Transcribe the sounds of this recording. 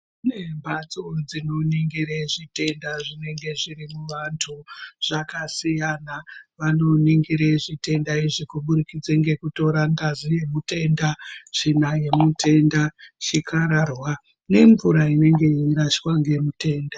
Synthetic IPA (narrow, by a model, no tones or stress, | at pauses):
nembʱat͡sod͡zino̞niŋɡiɾeʐite̞ndaʐine̞ŋɡe̞ʐiɾimuʋantʰuʐ̥akasijanaʋano̞niŋɡiɾeʐite̞ndaiʐikuɓuɾikid͡zeŋɡe̞kuto̞ɾandazije̞mute̞ndaʐ̥inaje̞mutʰe̞ndat͡ʃikʰaɾarwa | ne̞ɱvuɾaine̞ŋɡe̞ɾaʃkwaŋɡe̞mute̞ːnda